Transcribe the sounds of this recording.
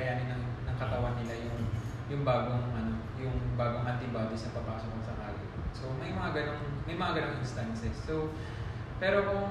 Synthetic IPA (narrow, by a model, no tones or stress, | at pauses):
ɐjaːnɪnɐŋnɐŋkɐt̪ɐwanːɪlajʊŋ | jʊŋbaːɡoŋʔɐno̞ | jʊŋbaːɡoŋʔɐnt̪ɪbaːd̪ɪsɐpɐpaːsokɐŋsɐka̰ːlɪ̰t̪̚so̞mɐjmɐŋaɡɐnoŋmɐjmɐŋaɡɐnoŋɪnst̪ansɛsːo | pɛːɾo̞kʊ